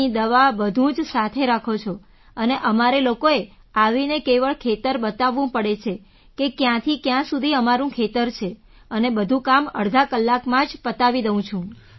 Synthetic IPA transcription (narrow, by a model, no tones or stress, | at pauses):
id̪əʋabəd̪ʱũd͡ʒsat̪ʰeɾakʰot͡ʃʰo | əneʔəmaɾelokoe | aʋinekeʋəɭkʰet̪əɾbət̪aʋːũpəɽet͡ʃʰe | kekjãt̪ʰikjãsud̪ʱiəmaɾũkʰet̪əɾt͡ʃʰe | ənebəd̪ʱũkamə̰ɽd̪ʱakəlːakmãd͡ʒpət̪aʋid̪əʋũt͡ʃʰũ